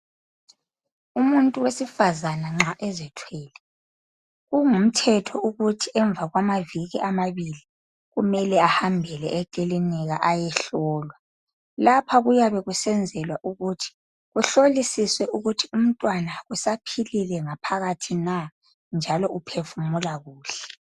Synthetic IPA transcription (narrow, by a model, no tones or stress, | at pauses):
umuntʼuwesifazanaŋ͡ǁaʔɛzɛtʰwɛːlɛ | ɣuŋum̩tʰɛtʰɔʔuɣutʰiʔɛɱb̪vʱaɣwamaviɣiʔamaβili | ɣumɛlɛahambʱɛlɛ̰ʔɛkʼiliniɣaʔajɛɬɔːlwa | lapʰaɣujaβɛɣusɛnd͡zʱɛlwaʔuɣutʰi̥ | ɣuɬolisiswɛuɣutʰium̩tʼwanaɣusapʰililɛŋapʰaɣatʰina | nd͡ʒʱalɔʔupʰefumulaɣuːɬɛ̥